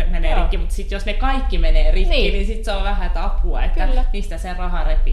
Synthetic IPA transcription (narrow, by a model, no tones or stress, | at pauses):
emeneːrikːimut̪sit̪josnekɑikːimeneːrinːininsit̪seoʋʋæhæt̪ɑphuɑ̰et̪ːæmist̪æserrɑhɑrepːi